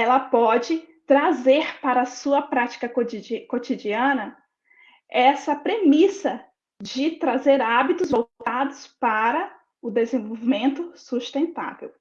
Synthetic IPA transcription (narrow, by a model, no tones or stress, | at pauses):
ɛlɐpɔd͡ʒɪt̪ɾazeɾpaɾɐsuɐpɾat͡ʃi̥kɐkod͡ʒkot͡ʃid͡ʒiɐ̃nɐ | ɛsɐpɾemisɐ | d͡ʒɪt̪ɾazeɾabit̪ʊzvowtt̪ad̪ʊspaɾɐ | ʊd̪ezẽvowvimẽnt̪ʊsust̪ẽnt̪a̰vḛw